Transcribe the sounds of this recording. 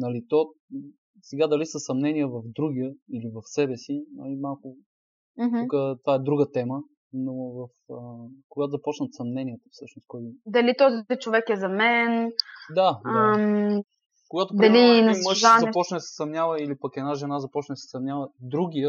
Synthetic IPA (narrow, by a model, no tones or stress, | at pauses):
nɐlit̪ɔ | sɛɡad̪ɐlisəsɐmnɛnijəvɐvd̪ɾuɡijəilivɐfsɛbɛsiɐ̰imalˠkʊ | ukət̪ovaɛd̪ɾuɡət̪ɛmə | novɐfəkoɡat̪ozɐpɔt͡ʃnət̪sɐmnɛniət̪əfsɤʃnoskɔj̪d̪ɐlit̪ɔzit͡ʃovɛkɛzɐmɛnd̪am | koɡat̪opɾd̪ɐliniməʃazɐpɔt͡ʃnəd̪sɛ̥sɐmnʲavəilipəkɛd̪naʒɛnazɐpɔt͡ʃnəd̪sɛ̥sɐmnʲjavəd̪ɾuɡʲijə